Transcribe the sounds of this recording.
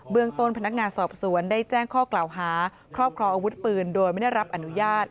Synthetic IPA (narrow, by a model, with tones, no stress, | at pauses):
bɯ˧əŋt̪o˧npʰa˧na˦˥k̚ŋaː˧nsɔː˨˩p̚su˩˦əndaː˥˩jt͡ɕɛː˥˩ŋkʰɔː˥˩klaː˨˩wɦaː˩˦ | kʰɾɔː˥˩p̚kʰɾɔː˧ŋʔaː˧wu˦˥t̪̚pɯː˧ndoː˧jma˥˩da˥˩jɾa˦˥p̚ʔa˧nu˦˥jaː˥˩t̪̚